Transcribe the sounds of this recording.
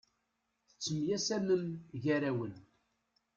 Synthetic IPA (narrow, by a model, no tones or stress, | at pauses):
θə̥t͡sːəmjæsænəmʝæɾæwən